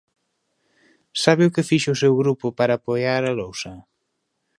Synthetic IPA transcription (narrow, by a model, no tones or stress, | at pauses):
saβɪʊkɪfiʃʊsewɣɾupʊpaɾaːpojaɾalowsɐ